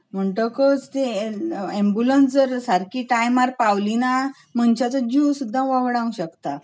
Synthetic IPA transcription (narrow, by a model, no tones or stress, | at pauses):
m̤əɳʈəkət͡st̪eembjulənsd͡zəɾsaɾkiʈajmaɾpawlina | m̤əɳt͡ɕat͡səd͡ʑusud̪ʱːãʋaʋɽãũɕəkt̪a